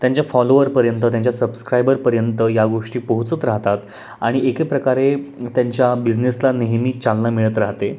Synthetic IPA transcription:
t̪jaɲt͡ɕjafɔloʋəɾpəɾjənt̪ət̪jaɲt͡ɕjasəbskɾajbəɾpəɾjənt̪əjaɡoʂʈiːpəɦut͡sət̪ɾaɦt̪at̪ | aɽ̃iekepɾəkaɾet̪jaɲt͡ɕjabid͡ʑneslaneɦmiːt͡salnamiɭət̪ɾaɦt̪e

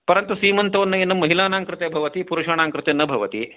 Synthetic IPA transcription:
pɐɾɐnt̪usiːmɐnt̪ɐʋɐnːɐenːɐmːɐɦilaːnaːŋkɾɪt̪eːbʱɐʋɐt̪ipuɾuʃaːnaːŋkɾɪt̪enːɐbʱɐʋɐt̪ḭ

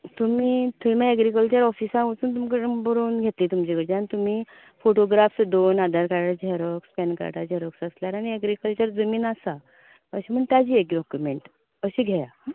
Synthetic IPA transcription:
t̪umiːt̪uimaɛɡɾikəlt͡ɕəɾɔfisãut͡suːnt̪umkəbəɾuːnɡʱet̪liːt̪umt͡ɕikəɾd͡ʑianit̪um̤iː | foʈoɡɾafsd̪onad̪ʱaɾkaɾad͡ʑeɾokspɛnka̰ɾʈa̰d͡ʑeɾoksəsljaɾañiɛɡɾikəlt͡ɕəɾd͡zəmiːnasa | əɕim̤əɳt̪jad͡ʑiːekɖɔkjumeɳʈ | əɕiːɡʱeja

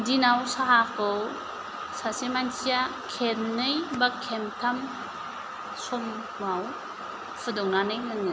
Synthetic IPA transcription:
dinawsaɦakɯw | sasemansʰijakʰennɯjbakʰemtʰam | sɔm | ŋaw | pʰɯdɔŋnanɯjnɯŋɯ

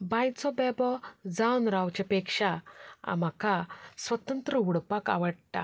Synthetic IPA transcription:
bãjt͡sɔbɛbɔd͡zawnɾawt͡ɕepekʂaa̰m̤akasʋət̪ənt̪ɾəuɽpaka̰ʋəɽt̪a̰

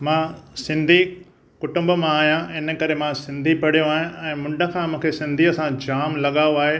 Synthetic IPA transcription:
mãːsɪ̃nd̪ʱi | kʊʈʊ̃mbəmãːɦijãɪnəkɐɾemãsɪ̃nd̪ʱipɐɽ̤ijõaːɦij̃ɛ̃ːmʊ̃ɳɖə̆kʰãːmũːkʰesɪ̃nd̪ʱiɐsãd͡ʑaːmlɐɠaːoaːɦe

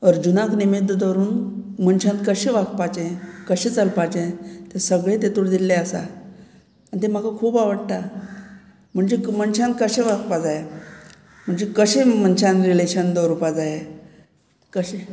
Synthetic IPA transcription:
ɔɾd͡ʑunãknimid̪ʋd̪əɾuːnm̤əɳɕãnt̪kəɕẽʋak̚pat͡ɕẽkəɕẽt͡səlpat͡ɕẽt̪esəɡɭẽt̪et̪uɽd̪ilːeəsa̰ | aɳt̪̬em̤akakʰuːpaʋəɽt̪a | m̤əɳd͡ʑemənɕãnt̪kəɕẽʋakpad͡zaje | m̤əɳd͡zekəɕẽm̤ənt͡ɕãnd̪ɾileɕənd̪əɾupad͡zaje | kəɕẽ

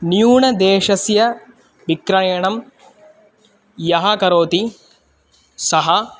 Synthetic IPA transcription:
njuːɳɐd̪eːʃɐsjɐ | ʋikɾɐjɐɳɐm | jɐɦɐkɐɾoːt̪i | sɐɦɐ

